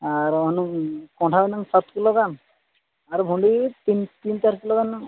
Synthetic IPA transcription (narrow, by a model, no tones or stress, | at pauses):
aɾɦɔnuŋkɔ̃ʈʰabanaŋsat̪kiloɡan | aɾbʱuɳɖit̪int̪int̪aɾkiloɡanːaŋ